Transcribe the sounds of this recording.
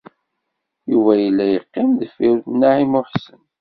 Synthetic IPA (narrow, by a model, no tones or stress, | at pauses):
juvæjəlːæjəqːɪmðəfiɾθnːaʕimʊħsən